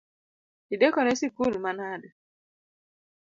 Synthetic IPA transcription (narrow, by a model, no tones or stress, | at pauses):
idekɔnesikulmanadʊ